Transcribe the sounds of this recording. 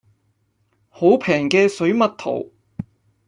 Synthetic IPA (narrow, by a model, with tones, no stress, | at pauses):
ho˨˥wpʰɛː˨˩ŋkɛː˧sɵ˨˥ɥmɐ˨t̚t̪ʰo̰˨˩w